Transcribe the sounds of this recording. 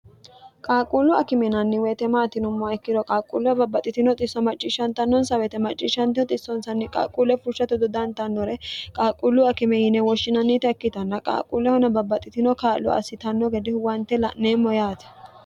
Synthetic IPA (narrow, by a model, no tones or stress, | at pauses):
kʼaːkʼulːʊɐkɪmɛnɐnːɪwɛːt̪ɛmaːt̪ɪnʊmːɔɛkːɪd̪ɔkʼaːkʼːṵlʊɐbɐbːɐt̪ʼːɪt̪ɪnɔt̪ʼɪsːɐmɐt͡ʃʼːiːʃːɐnt̪ːɐnːɔnsɐwɛt̪ɛmɐt͡ʃʼːiːʃɐnt̪ɪɔt̪ʼɪsːɔnsɐnːɪkʼa̰ːkʼuːlːɛfʊʃːɐt̪ɔd̪ɔd̪ɐnt̪ɐnːɔɾɛkʼaːkʼːulːʊɐkɪmɛjɪnɛwɔʃːɪnɐnːit̪ɛɐkːɪt̪ɐnːɐkʼa̰ːkʼulːɛhɔnɐbɐbːɐt̪ʼːɪt̪ɪnɔkaːlːʊ̰ɐ̰sːɪt̪ɐnːɔɡɛd̪ɪwɐnt̪ːɛlɐʔneːmːɔjaːt̪ɛ̥